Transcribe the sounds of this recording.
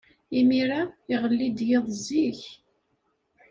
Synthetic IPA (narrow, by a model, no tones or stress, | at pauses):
imiɾaɪʁəlːid̪jeðˤziç